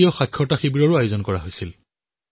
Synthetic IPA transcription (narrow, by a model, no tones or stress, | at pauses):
ijɔxakʰːɔtaxibiɹɔɹʊajozɔnkɔɹaɦojsil